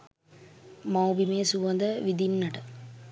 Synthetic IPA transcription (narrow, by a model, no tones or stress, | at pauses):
mɐwbimeːsuʋɐnd̪ɐʋid̪inːɐʈɐ